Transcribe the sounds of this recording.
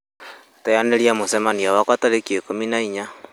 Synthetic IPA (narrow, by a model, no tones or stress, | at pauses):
tajaneliamosɛmaniawakwataɾekiekominaiɲa